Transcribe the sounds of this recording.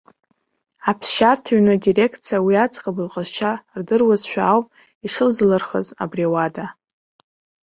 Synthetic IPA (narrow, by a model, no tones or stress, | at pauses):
apʰsʃartʰaɥnadire̞kʰt͡sʰijawiat͡sʼqʼabɨlqʼəzt͡ʃʰardɨrwazʃʷᶣaːwpʼ | iʂɨlzlɨrχə̰za̰briawada